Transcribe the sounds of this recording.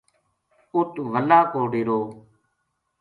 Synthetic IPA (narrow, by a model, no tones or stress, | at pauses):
ʊt̪ʋəlaːkoːɽeːɾoː